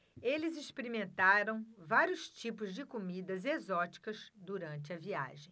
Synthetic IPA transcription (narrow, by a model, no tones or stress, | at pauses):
elɪzispeɾimẽnt̪aɾɐ̃w̃vaɾjʊst͡ʃipʊzd͡ʒɪkomid̪ɐzezɔt͡ʃi̥kɐzd̪uɾɐ̃nt͡ʃɪɐvia̰ʒẽj̃